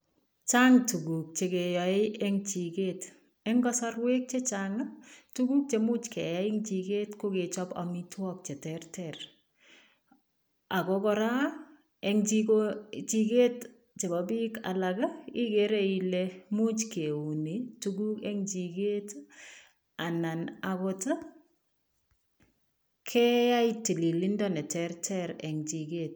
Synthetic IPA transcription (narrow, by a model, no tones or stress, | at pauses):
t͡ʃaŋtuɡuk̚t͡ʃekejɔɪʔɛŋt͡ʃiket | ɛŋɡɔsarwek̚t͡ʃet͡ʃaŋatuɡuk̚t͡ʃemut͡ʃkɛjaɪŋt͡ʃiketkʊket͡ʃɔpa̰mitwɔk̚t͡ʃetɛrtɛr | akɔkɔɾa | ɛŋt͡ʃikot͡ʃiket | t͡ʃebabika̰lakaikeɾeilɛmut͡ʃkeunituɡukɛŋt͡ʃiket | ananakɔta | kʰɛjaitːililindɔnɛtɛɾtʰɛɾɛŋt͡ʃiket̚